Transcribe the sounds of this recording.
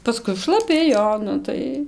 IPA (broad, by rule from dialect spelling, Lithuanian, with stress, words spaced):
pɐˈskʊɪ ʃlˠɐˈpʲɪ ˈjoː ˈnʊ tɐɪ